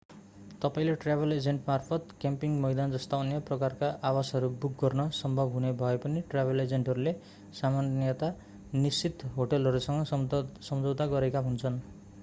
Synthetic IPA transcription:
t̪ʌpaĩleʈrabʱeled͡zeɳʈmarpʰʌt̪kempiŋmʌjd̪and͡zʌst̪aʌnjʌprʌkarkaʔawasɦʌɾubuk̚ɡʌrnʌsʌmbʱʌbʱɦunebʱʌepʌniʈrabʱeled͡zeɳʈɦʌɾule | samanjʌt̪a | nisit̪ɦoʈʌlɦʌɾusʌŋɡʌsʌmd͡zʌwt̪aɡʌɾekaɦunt͡sʰʌn

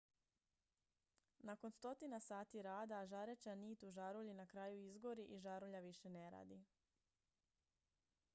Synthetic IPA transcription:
nako̞nst̪o̞t̪inasaːt̪iɾaːd̪aʒaɾet͡ʃaniːt̪uʒaɾuʎinakɾaːjuizɡoɾiʔiʒaɾuʎaʋiʃe̞neɾa̰ːd̪i

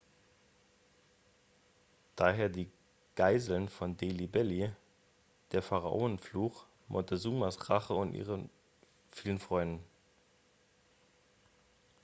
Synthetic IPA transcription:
d̥aːɦeːɐdiː | ɡ̥aɪzl̩nfɔndeːlibɛli | d̥eːɐfaʁa̰ʔʊːənfluːx | mʔɔ̰təzuːmasʁaχəʊntʔḭːʁə | fiːlənfʁ̥ɔʏndn̩

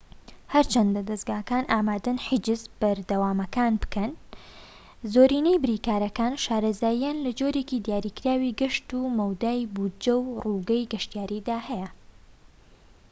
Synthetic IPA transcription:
hɐɾt͡ʃʰɐnd̪ɐd̪ɐsɡaːkaːnʔaːmaːd̪ɨnħɨd͡ʒɨzb̥ɐɾd̪ɐwaːmɐkaːnbɨ̥kɐn | zoːɾiːnejbɨɾiːkaːɾɐkaːnʃaːɾɐzaːjijaːnlɐd͡ʒoɾecid̪jaːɾiːkɾaːwiɡɨʃt̪uːmɐwd̪aːjbud͡ʒɐwruːɡɐjɡɐʃt̪ijaːɾid̪aːhɛjɐ

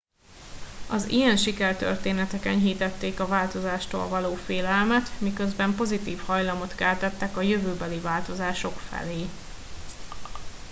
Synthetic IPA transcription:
ɒzḭjɛnʃikɛrt̪ø̰rt̪eːnɛt̪ɛkɛnɦiːt̪ɛt̪ːeːkɒvaːlt̪o̞zaːʃt̪o̰ːlvɒloːfeːlɛlmɛt̪mikø̞zbɛmpo̞zit̪iːfhɒjlɒmo̞t̪kɛlt̪ɛt̪ːɛkɒjø̞vøːbɛlivaːlt̪o̞zaːʃo̞kfɛ̰leː

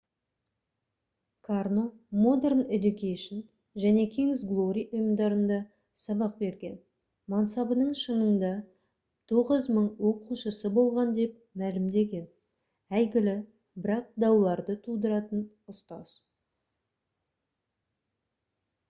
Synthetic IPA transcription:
kʰarno̞mo̞d̪e̞rne̞d̪ukʲejʃon | ʒæne̞kʲʰiŋzɡlˠo̞ɾʲiʊjəmd̪ɑɾənd̪ɑ | sɑbɑq̚be̞ɾɡʲe̞n | mɑnsɑbənəɴʃəɴənd̪ɑ | t̪ʰo̞ʁəzməɴwo̞quʃəsəbo̞lˠʁɑnd̪e̞p | mælɪmd̪e̞ɡʲe̞n | æjɡʲɪlɪ | bɪɾɑq̚d̪ɑwlˠɑɾd̪ət̪ʰud̪əɾɑt̪ən | ʊst̪ɑz̥

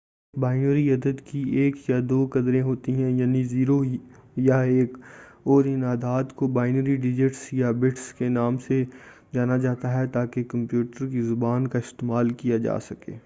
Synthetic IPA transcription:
baːɪnəɾiɐd̪əd̪kieːkjad̪oːkɐd̪ɾẽɦoːt̪iɦɛ̃jaːniziːɾojaeːkɔːɾɪnaːd̪aːd̪kobaːɪnəɾiɖɪd͡ʒɪʈsjabɪʈskenaːmse | d͡ʒaːnad͡ʒaːt̪aɦɛt̪aːkekɐ̃mpjuːʈəɾkizʊbaːnkaɪst̪eːmaːlkijad͡ʒa̰ːsɐkḛː

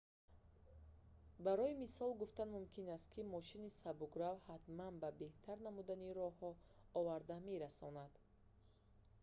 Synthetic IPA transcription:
baɾɔimisɔlɡuft̪anmumkʰinast̪̚kʰimɔʃinisabuɡɾavhat̪manbabe̞ht̪ʰaɾnamud̪aniɾɔɦɔ | ɔvaɾd̪ame̞ɾasɔnad̪̥

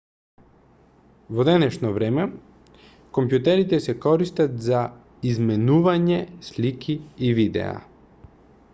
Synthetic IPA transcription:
vɔd̪ɛnɛʃnɔvɾɛmɛ | kompjut̪ɛɾit̪ɛsɛkɔɾist̪at̪za | izmɛnuvaɲɛslikʰiːvid̪ɛ̰a̰

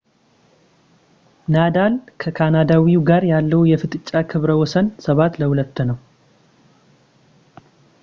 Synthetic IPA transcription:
nad̪alkʰəkʰanad̪awiuɡaɾjalːəwjɛfɨt̪ʼɨt͡ʃʼːakʰɨβɾəwɔsənsəβat̪ləhulət̪ːnəw

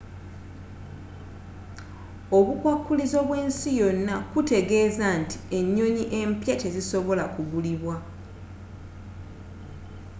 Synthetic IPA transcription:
oβukwakːulizo̞βwe̞ːnsijo̞nːakute̞ɡe̞zanti̥e̞ɲːo̞ɲiʔe̞mpjace̞ziso̞βo̞lakuβuliβwa

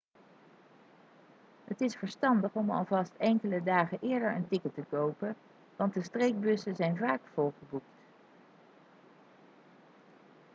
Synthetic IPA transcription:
ɦətɪsfəɹstɑndəχɔmɑ̰lˠvɑstɛŋkələdaːχəʔɪːɹdəɹə̰ntɪkətəkowpən | ʋɑntdəstrejk̚bɵsəzɛjnvaːkfolˠχəbukt

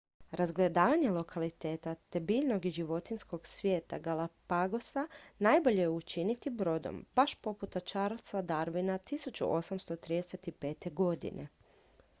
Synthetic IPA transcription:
ɾazɡle̞d̪aːʋaɲe̞lo̞kʰalit̪e̞ːt̪at̪ebiʎno̞ɡiʒiʋot̪insko̞ɡsʋje̞ːt̪a̰ɡalˠapaɡo̞sanajbo̞ʎejeut͡ʃinit̪ibɾo̞d̪o̰mbaʃpo̞put̪at͡ʃaɾat̪sʋad̪aɾʋinat̪isut͡ʃṵʔo̞samst̪o̞t̪ɾiːd̪eset̪ipe̞ːt̪e̞ɡo̞d̪ḭnʔe̞̰

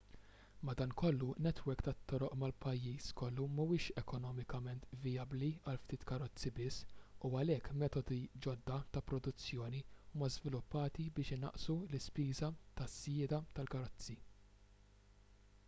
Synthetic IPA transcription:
mɐd̪ɐːnkɔlːunɛt̪wɛɾkt̪ɐt̪ːɔɾɔʔmɐlpɐjːiːskɔlːumuwɪːʃɛkɔnɔːmɪkɐmɛnt̪vɪjɐbliɐlft̪iːt̪kɐɾɔt͡sːibɪsːuɐlɛkːmɛːt̪ɔd̪id͡ʒɔd̪ːɐt̪ɐpɾɔd̪ʊt͡sːjɔːniuːmɐzvɪlʊpːɐːt̪ibɪːʃɪnɐ̰ʔsulɪspiːzɐt̪ɐsjɪːd̪ɐt̪ɐlkɐɾɔt͡sːi

